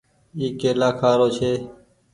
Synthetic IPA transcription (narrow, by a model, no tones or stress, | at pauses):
iːkeːlaːkʰaːɾoːt͡ʃʰeː